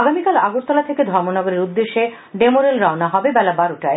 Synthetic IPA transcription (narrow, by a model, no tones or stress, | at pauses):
aɡamikalaɡoɾt̪ɔlat̪ʰeked̪ʱɔɾmonɔɡoɾeɾud̪ːeʃːe | ɖemoɾelɾɔonaɦɔbebɛlabaɾoʈae